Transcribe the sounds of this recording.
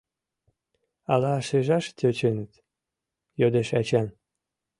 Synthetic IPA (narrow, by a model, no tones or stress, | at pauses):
ɑlɑʃeʒɑʃt̪ʲøt͡ɕenət̪ | jod̪eʃɑt͡ɕɑn